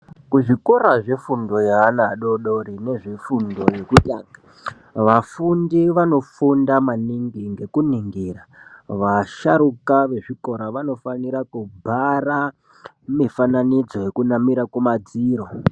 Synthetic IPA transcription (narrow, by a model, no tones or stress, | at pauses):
kuʐiko̞ɾaʐe̞fundo̞jaːnaɗo̞ɗoɾine̞ʐefundo̞je̞kutʼaːŋɡa | ʋafundiʋano̞fundamaniŋɡiŋɡe̞kuniŋɡiraʋaʃaɾukaʋe̞ʐiko̞ɾaʋano̞faniɾakubʱara | mifananid͡zo̞je̞kunamiɾakumad͡ziːɾo̞